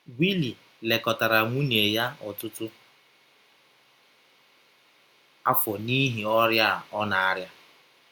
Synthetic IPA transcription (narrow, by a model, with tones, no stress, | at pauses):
wi˦li˨ | le˨kɔ˨ta˨ɾa˨ŋʷu˦ne˨ja˦ɔ˨tʊ˦tʊ˦ | a̰˦fɔ˨ni˦ɦi˨ɔ˦ɾja˦˨ɔ˦na˨a˦ɾja˦